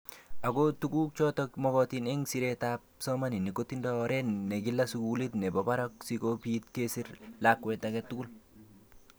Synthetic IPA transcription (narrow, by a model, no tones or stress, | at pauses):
aɡotukuk̚t͡ʃɔtɔkmɔkɔt̪inɛŋsiɾɛtap̚sɔmaninikotːindɔɾɛnɛɡilːasukulit̪nɛbɔbaɾɔksikopit̪̚kesiɾlakːwɛt̪akɛt̪ːuɡul